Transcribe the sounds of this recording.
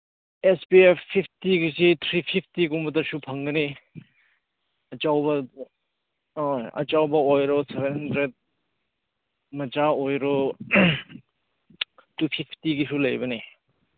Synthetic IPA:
espiepʰpʰːipʰtiɡisitʰɾipʰipʰtiɡumbɐtɐsupʰɐŋɡɐni | ɐt͡ʃawbɐ | ojɐ̰t͡ʃawbɐojɾɔsebenhɐndɾed̚ | mɐd͡ʒaojɾɔ | tupʰipʰtiɡisulɐjbɐni

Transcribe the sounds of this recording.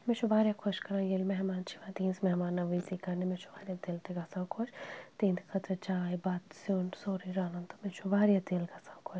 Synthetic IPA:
met͡ʃʰubaːɾjakʰoʃkɐɾãːjelmɛɦmaːnt͡ʃʰiʋaːd̪ĩːnsmɛɦmaːnːɐʋisikaɾnemet͡ʃʰu̥baːɾijat̪eːlt̪eɡasãkʰot͡ʃt̪ẽːnt̪kʰɐt̪ɾɐt͡ʃaːjbaːt̪sonsoːɾiɾaːnɐnt̪omẽt͡ʃʰubaːɾjat̪eːlɡasaːkʰot͡ʃ

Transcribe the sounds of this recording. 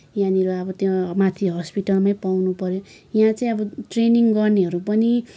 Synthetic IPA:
jãniɾoʌbʌt̪jõmat̪ʰiɦʌspiʈʌlmajpawnupʌɾjo | jãt͡saĩʌbʌʈreniŋɡʌrneɦʌɾupʌni

